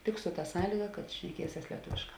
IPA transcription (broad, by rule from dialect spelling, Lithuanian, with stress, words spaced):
tʲɪk sʊ tɐ ˈsɑːlʲiːɡɐ kɐt ʃʲnʲɛˈkʲiɛsʲɛs lʲiɛˈtʊʋʲeːʃˌkɑː